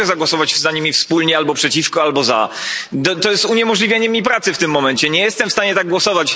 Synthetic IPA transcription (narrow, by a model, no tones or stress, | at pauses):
ɛzaɡwɔsɔvat͡ɕzaɲimʲifspulɲɛalbɔpʂɛt͡ɕifkɔalbɔza̰d̪ɔt̪ɔjɛst̪uɲɛmɔʐlʲivʲjaɲɛmʲːipɾat̪sɘft̪ɘmːɔmɛɲt͡ɕɛɲɛjɛst̪ɛmfst̪aɲɛt̪aɡ̚ɡwɔsɔvat͡ɕ